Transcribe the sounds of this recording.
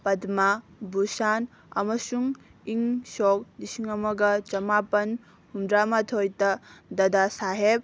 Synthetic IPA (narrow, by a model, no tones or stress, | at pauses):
pɐdmabusan | ɐ̰mɐsuŋiŋsɔk̚disiŋɐmɐɡɐt͡ʃɐmapɐn | humdɾamatʰojtɐdɐdasaɦep̚